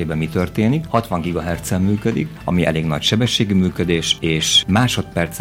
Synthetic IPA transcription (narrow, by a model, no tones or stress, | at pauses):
eːbɛmːit̪ørt̪eːnikhɒt̪ʋɒŋɡiɡɒɦɛrt̪sɛmːyːkød̪ḭk | ɒ̰miʔɛ̰leːɡnɒ̰cʃɛbɛʃːeːɡymyːkød̪eːʃeːʃmaːʃo̞t̪pɛrt̪s